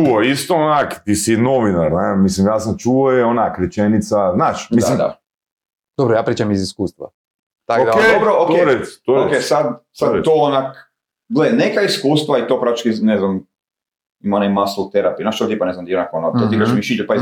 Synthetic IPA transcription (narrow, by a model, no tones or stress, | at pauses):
t͡ʃuoist̪oonakt̪isinoʋinaɾnemislimjaːsamt͡ʃuojɛonakɾet͡ʃenit̪saznaːʃdmisalimd̪a̰ | d̪̥obɾojaːpɾiːt͡ʃamiziskuːst̪ʋa̰ | t̪akod̪akeobɾookt̪eɾest̪ookesad̪sad̪t̪oonak | ɡlenekaiskuːst̪ʋait̪opɾat̪it͡ʃkineznam | imaonajmaslot̪eɾapinaʃt̪ot̪iːpaneznamt̪ijonakonot̪oikaʃmiʃid͡ʒepa